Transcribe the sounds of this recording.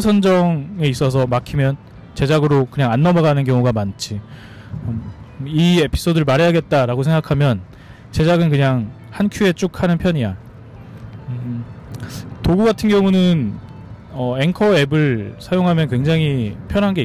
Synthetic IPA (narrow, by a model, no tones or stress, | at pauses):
sʰʌnd͡ʑʌŋe̞is͈ʌs̬ʰʌmakʰimjʌn | t͡ɕe̞d͡ʑaɡɯɾokɯɲaŋanːʌmʌɣanɯnkjʌŋuɡamant͡ɕʰi | ʌie̞pʰi̥s͈ʰodɯɭmaɾeɦaɡet̚t͈aɾaɡosʰe̞ŋɡakʰamjʌn | t͡ɕe̞d͡ʑaɡɯnkɯɲaŋ | hankʰjue̞t͡ɕ͈ukʰanɯnpʰjʌɲija | toɡuɡatʰɯnɡjʌŋunɯn | ʌe̞ŋkʰʌe̞bɯɭsʰajoŋɦamjʌnkwe̞ŋd͡ʑaŋɦipʰjʌnɦanɡe̞i